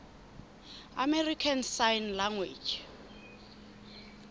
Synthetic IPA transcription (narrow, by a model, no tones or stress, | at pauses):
amɛrikʰansajnlaŋwḛd͡ʒ